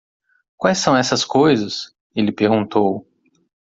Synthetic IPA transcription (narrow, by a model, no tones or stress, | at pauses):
kwajsːɐ̃w̃ɛsɐskojzɐs | elɪpeɾɡũnt̪ow